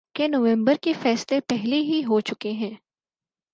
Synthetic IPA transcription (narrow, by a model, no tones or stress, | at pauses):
kenoʋɛ̃mbəɾkefɛːslepɛɦleɦiɦot͡ʃʊkeɦɛ̃ː